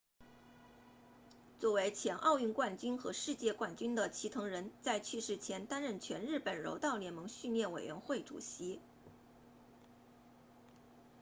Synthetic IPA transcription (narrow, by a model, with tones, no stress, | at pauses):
t͡swɔ˥˩we˧˥ɪt͡ɕʰjɛ˧˥nʔɑ˥˧ʊy˥˧nkwa˥˩nt͡ɕy˥nxɤ˧˥ʂɻ̩˥˧t͡ɕjɛ˥˧kwa˥˩nt͡ɕy˥nd̪ə˨t͡ɕʰi˧˥t̪ʰɤ˧˥ŋɻə˧˥nt͡sa˥˧ɪt͡ɕʰy˥˧ʂɻ̩˥˩t͡ɕʰjɛ˧˥nt̪a˥nɻə˥˩nt͡ɕʰɥɛ˧˥nɻɻ̩˥˩pə˨˩nɻo̰˧˥ʊt̪ɑ˥˩ʊljɛ˧˥nmɤ˧˥ŋɕy˥˧nljɛ˥˩nwe˨˩ɪɥɛ̰˧˥nxwe˥˩ɪʈ͡ʂṵ˨˩ɕi˧˥